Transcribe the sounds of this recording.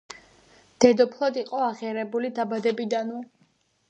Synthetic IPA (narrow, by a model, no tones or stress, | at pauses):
d̪̥ɛd̪ɔpʰlˠɔd̪iqʼɔaʁiaɾɛbulid̪abad̪ɛbid̪anu